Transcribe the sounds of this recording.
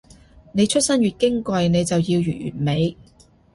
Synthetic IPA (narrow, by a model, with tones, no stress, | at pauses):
ne˨˧jt͡ʃʰɵ˥t̚sɐ˥nɥyː˨t̚kɪ˥ŋkʷɐ˧jne˨˧jt͡sɐ˨wji˧wjyː˨˩t̚jy̰ː˨˩t̚me˨˧j